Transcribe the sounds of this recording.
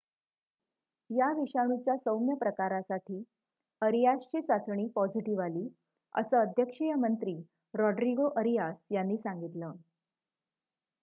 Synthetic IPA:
jaʋiɕaɽ̃ut͡ɕjasəwmjəpɾəkaɾasaʈʰiː | əɾijast͡ɕet͡sat͡sɳiːpɔd͡ziʈiʋaliː | ə̰səəd̪ʱjəkʂijəmənt̪ɾiː | ɾɔɖɾiɡoʔəɾijasjanːiːsaŋɡit̪lə

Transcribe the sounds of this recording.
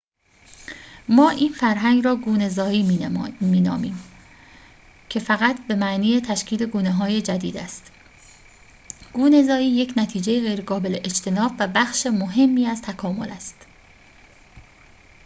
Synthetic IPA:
mɒːʔiːnfæɾɦæŋɡrɒːɡuːnezɒːiːmiːnɒ̰ːmiːm | cʰe̞fæɣæt̪ʰbe̞mæʔniːjet̪ʰæʃcʰiːd̪e̞ɡuːneɦɒːje̞d͡ʒæd̪iːd̪æst̪ | ɡ̥uːne̞zɒːiːje̞cʰnæt̪ʰiːd͡ʒe̞jeɣejɾeɡɒːbe̞leʔet͡ʃt̪ʰe̞nɒːbvæbæxʃemoɦe̞mːiːæzt̪ʰækʰɒːmo̞̰læst̪

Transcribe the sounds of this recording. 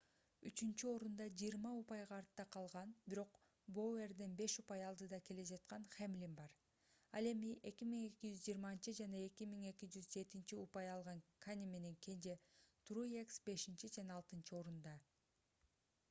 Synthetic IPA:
yt͡ʃynt͡ʃyo̞ɾund̪ɑd͡ʒijːɾmɑupɑjʁɑːɾt̪ːɑqʰɑlˠʁɑnbiɾo̞q | boerd̪enbe̞ʃupɑjɑlˠd̪ɯd̪ɑke̞le̞d͡ʒɑt̪̚qɑnχemlʲimbɑɾ | ɑlˠe̞miʔe̞kimiŋe̞kid͡ʒyzd͡ʒiːɾmɑnt͡ʃɯd͡ʒɑnɑe̞kimiŋe̞kid͡ʒyzd͡ʒe̞t̪int͡ʃiupɑjɑlˠʁɑŋkʰanʲime̞ne̞ŋkʲʰe̞nd͡ʒet̪rujeksbe̞ʃint͡ʃid͡ʒɑnɑːlˠt̪ɯnt͡ʃɯo̞ɾund̪ɑ

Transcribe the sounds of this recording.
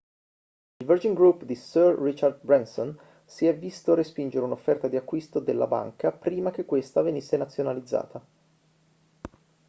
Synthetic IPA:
ilvərd͡ʒiŋɡɾupd̪isərːit͡ʃard̪bɾɛnson | siɛvːist̪oɾespind͡ʒeɾeunofːɛrt̪ad̪iakːwist̪od̪elːʔa̰ba̰ŋkapɾiːmak̟ekːwest̪avenisːenat̪sːjonalid̪zːa̰ːt̪a

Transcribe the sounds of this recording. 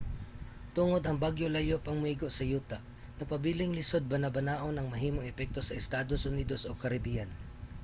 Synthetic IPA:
t̪ʊŋo̞d̪ɐŋbaɡjolɐjopɐŋmʊiɡoʔsɐjuːt̪aʔ | nɐpɐbiːlɪŋlɪsod̪̚bɐnɐbɐnaːʔo̞nɐŋmɐɦiːmoŋɛpɛk̚t̪o̞sɐʔɛst̪aːd̪osʔʊniːd̪osokɐɾɪbijan

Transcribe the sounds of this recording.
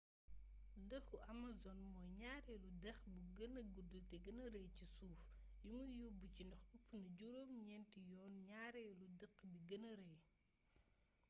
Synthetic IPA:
dəxuʔɐmɐzɔnmɔjɲaːɾɛludɐxbuɡɐnɐɡudutɛɡɐnɐɾɐjcisuːfjumujubucindɐxupːnɐɟuɾoːmɲɛntijɔːnɲaːɾɛludəqːbiɡɐnɐɾɐj

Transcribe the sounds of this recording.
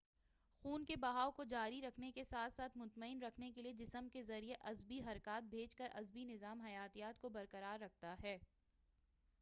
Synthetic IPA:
xuːnkebɐɦaːokod͡ʒaːɾiɾɐkʰnekesaːt̪ʰsaːt̪ʰmʊt̪məɪnɾɐkʰnekelied͡ʒɪsəmkezɐɾieʔɐzbiɦɐɾkaːt̪̚bʱeːt͡ʃkəɾʔɐ̰zbinɪzaːmɦɐjaːt̪ijaːt̪̚kobɐɾkɐɾaːɾːɐk̚ʰt̪aɦɛː

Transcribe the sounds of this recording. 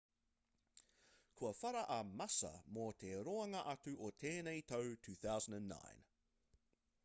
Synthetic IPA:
kʰuəfaɾəʔɐmasə̰moːt̪ʰeːɾoɐŋəʔatuʔotʰeːnejtʰowtʰʉːθawzə̃n̩də̃nːa̰ɪn

